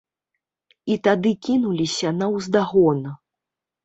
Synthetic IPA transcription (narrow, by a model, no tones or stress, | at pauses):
it̪ad̪ɨkʲinulʲisʲɐnɐwzd̪aɣɔnɐ